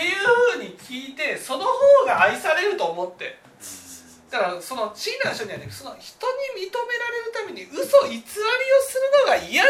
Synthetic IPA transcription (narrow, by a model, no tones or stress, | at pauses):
ejɯːɸɯ̟ːɲ̟ikʲiːt̪e̞so̞no̞hoːɡaːisaɾe̞ɾɯ̟t̪o̞ːmo̞t̪ːe̞̰ | d̪̥akaɾaso̞no̞t͡ɕinːãɕt̪oɲiβat̪ːeso̞no̞çi̥t̪o̞ɲ̟imʲit̪o̞me̞ɾaɾe̞ɾɯ̟t̪ame̞ɲ̟iɯ̟so̞it͡sɨβaɾʲio̞sɨɾɯ̟no̞ɡaija